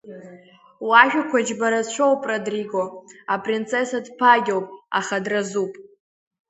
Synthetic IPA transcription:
waʒᶣakʷʰad͡ʒbaɾat͡ʃʷʰowpʼrodriɡo̞apʼrint͡sʰe̞sadpʰaɡʲowpʼa̰χadrazupʼ

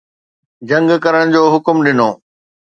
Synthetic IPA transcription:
d͡ʑɐ̃ŋɡkɐɾəɽ̃d͡ʑoːɦʊkmɗɪnoː

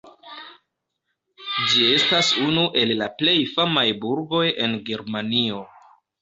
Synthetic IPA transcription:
d͡ʒie̞stasunuʔe̞lːaple̞jfamajbuɾɡo̞je̞nɡe̞ɾmanio̞

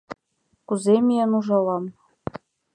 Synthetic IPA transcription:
kuzemʲiənuʒɑlɑm

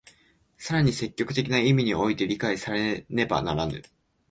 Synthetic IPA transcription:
saɾaɲ̟ise̞kʲːo̞kɯ̟̥t̪e̞kʲinaimʲiɲ̟io̞it̪e̞ɾʲikaisaɾe̞ne̞ba̰na̰ɾanɯ̰

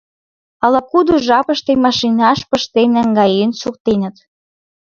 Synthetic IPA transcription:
ɑlɑkud̪uʒɑpə̆ʃt̪emɑʃinɑʃpə̆ʃt̪enæŋɡɑjensukt̪enə̆t̪

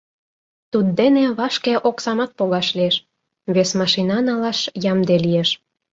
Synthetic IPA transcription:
t̪ud̪ːeneβɑʃkeʔoksɑmɑt̪̚poɣɑʃlieʃ | βesmɑʃinɑnɑlɑʃjɑmd̪elijeʃ

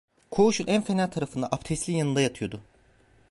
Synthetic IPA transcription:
kʰo̞uʃunænfenælʲt̪ʰaɾafɯnd̪a̰ʔapt̪ʰɛst̪lʲijanɯnd̪ajat̪ʰɯjo̞d̪ʊ

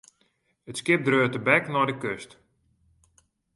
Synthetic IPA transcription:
ətskɪp̚drøːtəbɛknɔjdəkøst

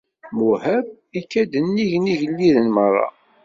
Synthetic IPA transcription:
muhæb̚ | ikːæd̪ənːiʝniʝəlːiðənmərˤːɑ̰

